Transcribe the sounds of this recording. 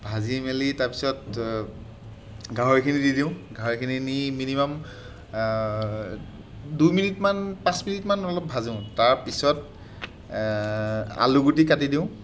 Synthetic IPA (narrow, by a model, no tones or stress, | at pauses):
bʱazimelitaɹpi̥sɔt | ɡʱaɦɔkʰinididiʊ̃ɡʱaɦɔkʰininiminimam | dujminitmanpãsminitmanɔlɔp̚bʱazʊ̃ʊ̃taɹpisɔt̚ | a̰luɡutikatidiʊ̃